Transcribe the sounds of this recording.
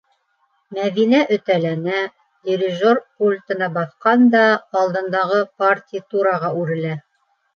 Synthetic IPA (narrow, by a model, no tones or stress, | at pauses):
mæðinæʔɵ̆t̪ælænæ | d̪ʲɪɾʲɪʒorpulʲt̪ɤ̆nɑbɑθqɑnd̪ɑːlˠd̪ɤ̆nd̪ɑʁɤpartʲijt̪uɾɑʁɑʉɾɘ̆læ